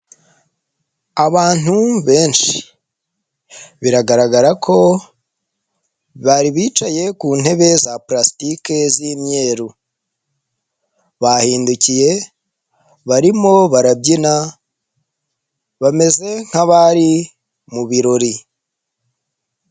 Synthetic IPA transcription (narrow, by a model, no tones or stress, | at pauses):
aβaːn̥uβe̞ːnʃi̥ | βiɾaɡaɾaɡaɾakʰo̞ | βaɾiβiːt͡ʃaje̞kuːn̥he̞βe̞zaplastike̞zimɲe̞ːɾu | βahiːnducije̞ | βaɾimo̞βaɾabɟina | βame̞ze̞ŋ̥aβaɾi | muβiɾo̞ɾi